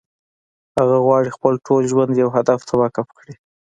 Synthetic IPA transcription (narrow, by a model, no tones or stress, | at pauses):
haɣaɣwɑɽixpəlʈʰolʒwand̪jawɦad̪aft̪ʰawakapkɽi